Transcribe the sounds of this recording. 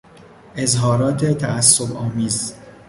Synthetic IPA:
e̞zɦɒːɾɒːt̪ʰe̞t̪ʰææsːobɒːmiːz

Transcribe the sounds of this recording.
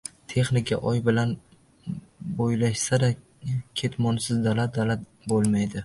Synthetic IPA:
t̪ʰe̞χnɪkʰʲa̰ʔɒjbɪlan | bojlaʃsad̪a | kʲʰe̞t̪mɒnsɪzd̪alat̪̚d̪alat̪̚ | bolˠmajd̪ɪ

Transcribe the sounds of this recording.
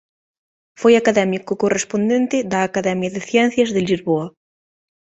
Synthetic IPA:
fojakaðɛmikokorespond̪ẽnt̪ɪðɐːkaðɛmjaðeθjɛnθjɐzðelizβoɐ

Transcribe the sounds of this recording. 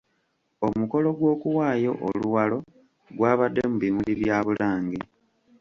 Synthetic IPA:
o̞muko̞lo̞ɡwo̞ːkuwaːjo̞̰ʔoluwalo̞ | ɡwaːβadːe̞muβimuliβjaːβulaːŋɡi

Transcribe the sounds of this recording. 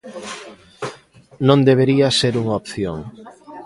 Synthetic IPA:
nõnd̪eβeɾiɐseɾuŋaopθjo̰ŋ

